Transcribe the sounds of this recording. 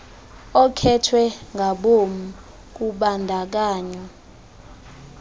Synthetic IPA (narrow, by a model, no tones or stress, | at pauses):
ɔkʰɛtʰwɛŋɡʱaɓom̩ | k̬uɓandʱak̬aːɲɔ